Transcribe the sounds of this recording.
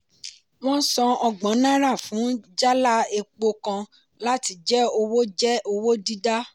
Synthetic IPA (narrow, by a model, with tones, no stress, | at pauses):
w̃ɔ̃˦sɔ̃˧ɔ˧ɡ͡bɔ̃˨˦nã˦ɾa˦˨fũ˨˦d͡ʒa˦la˦e˧k͡po˧kã˧ | la˦ti˧˦d͡ʒɛ˦o˧wo˦d͡ʒɛ˦o˧wo˦di˦da˦